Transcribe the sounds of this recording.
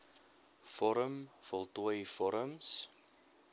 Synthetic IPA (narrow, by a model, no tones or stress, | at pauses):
fɔɾəmfɔlˠtuəjfɔɾəms